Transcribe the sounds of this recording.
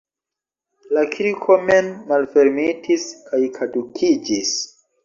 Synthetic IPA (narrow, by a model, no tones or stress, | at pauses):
lakʰiɾikʰomenmalfeɾmitʰiskʰajkʰadukʰid͡ʒis